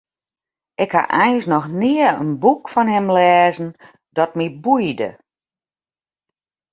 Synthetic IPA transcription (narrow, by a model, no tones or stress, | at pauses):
ʔɪkha̰ʔɛjnsnɔxnɪəə̰nbukfɔnɦɛmlɛːzn̩ | dɔt̚mibujdə̰